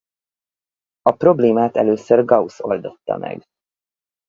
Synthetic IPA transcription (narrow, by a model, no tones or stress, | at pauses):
ɒpro̞bleːmaːt̪ɛløːsørɡɒuso̞ld̪o̞t̪ːɒ̰mɛ̰ɡ